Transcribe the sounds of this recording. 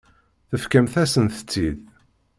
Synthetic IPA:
θəfkəmθæsənθə̥t͡sːið

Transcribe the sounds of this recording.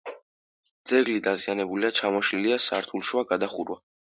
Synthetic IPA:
d̪z̥ɛɡlid̪azianɛbuliat͡ʃʰamɔʃliliasaɾt̪ʰulˠʃwaɡad̪aχuɾwa

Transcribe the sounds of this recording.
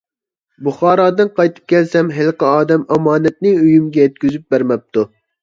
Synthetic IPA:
buχɑːɾɑːd̪ɨnqʰɑjt̪ʰɨ̥p̚kʲʰɛlsɛmɦɪlˠqəɑːd̪ɛmɑmɑːnɛt̪̚nɨyjymɡʲɛjɛt̪̚kʲyzyp̚bæɾmɛp̚t̪ʰu

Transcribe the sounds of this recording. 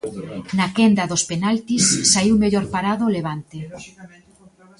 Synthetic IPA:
nakɛnd̪ɐðospenalt̪isːaiwmeʎɔɾpaɾaðoleβ̞ant̪e

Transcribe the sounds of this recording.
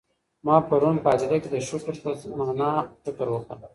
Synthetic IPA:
mɑpaɾunpəɑd͡ʒɪd̪aked̪əʃʊkɾsamanɑfɪkəɾwəkə̰ɾ

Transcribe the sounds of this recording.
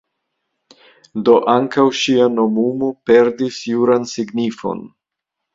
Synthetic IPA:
do̞ʔaŋkawʃiano̞mumope̞ɾdisjuɾansiɡnifo̞̰n

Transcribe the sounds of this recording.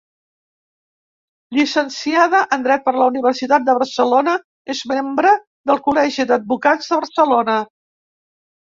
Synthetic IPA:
ʎisənsiaðəʔənd̪ɾɛt̪̚pəɾləuniβ̞ərsit̪at̪̚d̪əβərsəlonə | ezmembɾə | ðəlˠkulɛʒid̪əd̪̚bukad͡zðəβəɾsəlonə

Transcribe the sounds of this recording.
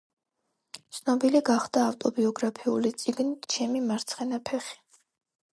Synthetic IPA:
t̪sʰnɔbiliɡaχd̪aːft̪ʼɔbiɔɡɾapʰiulit̪sʼiɡnit̪ʰt͡ʃʰɛmimaɾt̪sʰχɛnapʰɛχi̥

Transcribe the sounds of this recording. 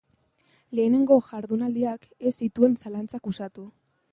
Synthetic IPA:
le̞ːne̞ŋɡo̞ʝaɾðunald̪iak | e̞sit̪ue̞nsalant͡sakusat̪u

